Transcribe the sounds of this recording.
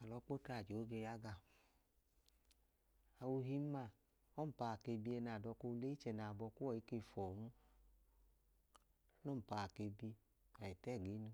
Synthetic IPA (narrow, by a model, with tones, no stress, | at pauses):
a˨lɔ˧˦k͡po˦ta˧˨d͡ʒo˨˦ɡe˧ja˦ɡa˧˨ | a˨wu˧ɦi˧˦ma˦˨ | ɔ˦m̩˨pa˧˨a˨ke˧bi˧ɛ˧na˨dɔ˧ko˧le˦i˦t͡ʃɛ˧˨na˨bɔ˧ku˦ɔ˦˨i˨˦ke˧˨fɔ˨nu˦ | no˦m̩˨pa˨ke˧bi˧ | a˨ɛ˨tɛ˦˨ɡi˨˦nu˧